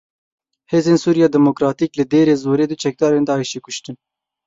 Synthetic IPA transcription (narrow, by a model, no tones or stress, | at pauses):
heːzeːnsuːɾijɑːd̪ɛmokɾɑːt̪iːklɨd̪eːɾeːzoːɾeːd̪ɨt͡ʃʰɛk̚d̪ɑːɾeːnd̪ɑːiʃeːkʊʃt̪ɨn